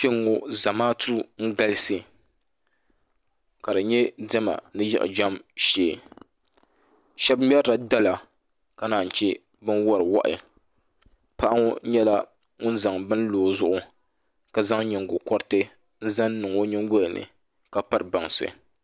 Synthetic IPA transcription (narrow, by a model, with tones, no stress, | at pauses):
t͡ʃe˦ŋo˦za˨maː˦tʰu˦ɾŋ̩˦ɡa˦lɨ˦sɨ˨ | ka˨dɨ˨ɲɛ˦dɛ˦ma̰˨nɨ˦jɛ̰˦ʔd͡ʒa˦mʃeː˨˦˨ | ʃɛ˦bm˦ɛ˦ɾa˨da˦la˨ | ka˦naː˨n̩˨t͡ʃɛ˦ | bɨ˦nwɔ˦ɾɨ˨wa̰˦ʔɪ̰˨ | pa˦ʔa˦ŋo˦ɲɛ˦la˦ | ŋʊ˦n˦za˨ŋbɨ˦n˦loː˨zʊ˦ʔʊ˦ | ka˨za˦ŋɲɛ˨ŋ˨ɡʊ˨kɔ˦ɾtɨ˦ | n̩˦za˦nː˦ɨ˨ŋo˦ɲɪ˦ŋ˦ɡʊ˦lnɨ̰˨ | ka˦pa˦ɾɨ˨ba˨ŋsɨ̰˨